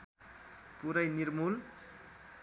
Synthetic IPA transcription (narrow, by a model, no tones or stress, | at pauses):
puɾʌjnirmul